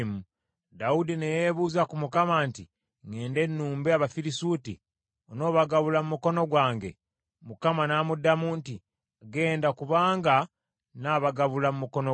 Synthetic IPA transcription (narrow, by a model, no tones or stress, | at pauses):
mu | daudinejeβuːzakumukamaːnti | ŋe̞ːnde̞nːuːmbeaβafiɾisutḭ | ono̞ːβaɡaβulamumuko̞no̞ɡwaːŋɡe̞̰ | mukamanaːmudːamuːnti | aɡe̞ːndakuβaːŋɡa | naːβaɡaβulamumuko̞no